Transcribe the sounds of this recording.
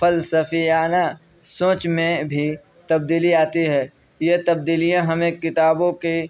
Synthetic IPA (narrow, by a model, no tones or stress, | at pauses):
fəlsəfijaːna | sõːt͡ʃmẽbʱi | t̪ɐb̚d̪iːliaːt̪iɦɛː | jet̪ɐb̚d̪iːlijãɦɐmẽkɪt̪aːbõke